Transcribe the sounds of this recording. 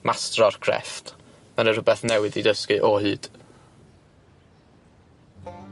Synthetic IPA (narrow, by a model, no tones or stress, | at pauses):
mʔastrɔrkʰrɛ̰ft | maɾərʊbɛθnɛwɪdidəskɨʔɔhɨːd̥